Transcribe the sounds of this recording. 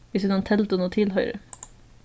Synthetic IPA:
ʋɪsnɔːnt̪ʰɛlt̪ʊnoːt̪ʰɪlhœʏɾə̰

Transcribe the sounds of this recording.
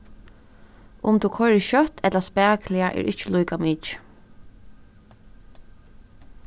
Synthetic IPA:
ʔʊmt̪ʰukʰɔɾɪʃœt̪ɛt̪laspæːklɪaʔɛ̰ːɹʔɪht͡ʃəlujkamɪːt͡ʃ

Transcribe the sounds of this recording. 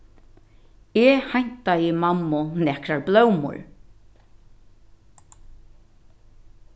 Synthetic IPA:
ɛhajɲ̥t̪ajɪmamːʊnɛkɾaɹblœwmʊ̰ɹ

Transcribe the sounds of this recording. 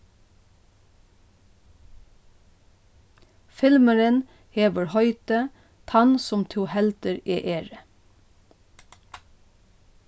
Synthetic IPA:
fɪlməɹən | heːbəɹhœʏt̪ə | t̪ʰɑnsɔmt̪ʰuːhɛlt̪əɾeːʔeːɹə

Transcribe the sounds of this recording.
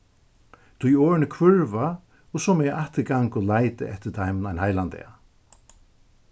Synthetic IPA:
t̪ʰʊjoːɹɪnɪkʰvʏɹva | ɔsɔmɛaʔaht̪ɪɡaŋkʊlajt̪ɪ̰ʔɛht̪ɪt̪ʰajmnajnhajlant̪ɛ̰a

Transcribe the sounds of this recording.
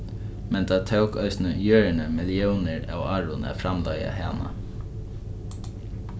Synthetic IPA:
mɛnt̪ʰaːt̪ʰœwkœ̰ʏsnəjøːɹɪnəmɪljɛwnɪɾa̰ːwaːɹʊna̰fɾamlaja̰ɦaːna̰

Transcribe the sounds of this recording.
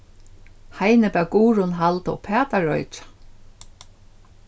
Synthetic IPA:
hajnɪpɛːɡuːɹʊnɦalt̪ɔ̰pʰɛːt̪aɹɔ̰jt͡ʃḁ

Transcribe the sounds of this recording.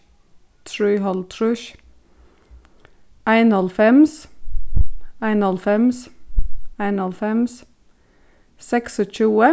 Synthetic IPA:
t̪ʰɹyːhɑlt̪ʰɾʉʃ | æɪnɑlfɛms | æɪnɑlfɛms | æɪnɑlfɛms | sɛksɔc͡çʉːə

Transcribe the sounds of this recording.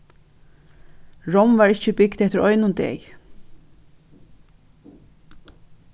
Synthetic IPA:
ɹɔwmvaɹɪhcəbɪkt̪ɛht̪əɾɔʏjnʊnd̪ɛ̰ːj

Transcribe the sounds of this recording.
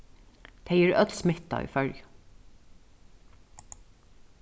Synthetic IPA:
t̪ʰeɪjiːɹœt̪lsmɪt̪ɑ̰ḭfœlj

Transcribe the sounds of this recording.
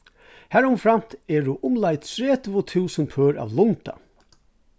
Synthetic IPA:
hæɹʊmfɾan̥t̪ɛɹʊʔʊmlajt̪ʰɾeːt̪ʰvʊt̪ʰuːsənpʰœːɹa̰ːʋlʊnt̪a̰

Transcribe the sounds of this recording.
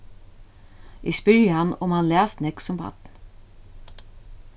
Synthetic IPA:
ʔɪspʏɹjəhɑnʊmhɑnlæːsnɛksʊmpʰɑ̰t̪n̩

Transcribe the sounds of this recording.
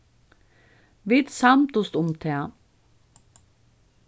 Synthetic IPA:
ʋit̪samt̪ʊst̪ʊmt̪ʰɛɐ

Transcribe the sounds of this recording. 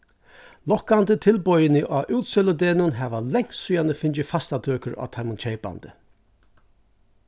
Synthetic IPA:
lɔkːant̪ət̪ʰɪlpɔjɪnɪʔaːʔuːt̪sœlʊd̪ɛːnʊnɦɛːʋalɛŋ̥ssʊjand̪əfɪnt͡ʃɪfast̪at̪ʰøːkəɾa̰ːt̪ʰamʊnt͡ʃʰejpa̰nt̪ə

